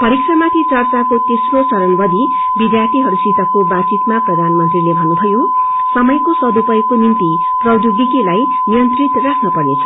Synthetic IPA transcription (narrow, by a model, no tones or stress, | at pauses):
pʌɾikʰrʌmak̪ʰit͡sʌrt͡sakot̪esrot͡sʌɾʌnbʌd̪ʱi | bid̪jart̪ʰiɦʌɾusit̪ʌkobat͡sit̪maprʌd̪ʱanmʌnt̪rilebʱʌnːubʱʌjo | sʌmʌjkosʌd̪upʌjkonint̪i | prʌd̪uɡikelaj | nijʌnt̪rit̪rakʰnʌpʌrnet͡sʰʌ̥